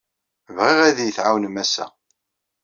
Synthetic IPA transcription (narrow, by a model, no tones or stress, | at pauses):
vʁiʁæðjəθʕawnmæsæ̰